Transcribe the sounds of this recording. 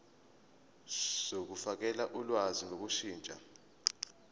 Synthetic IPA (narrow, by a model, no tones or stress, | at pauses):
sok̬ufak̬ɛlaʔulwazinok̬uʃiːnt͡ʃʼa̰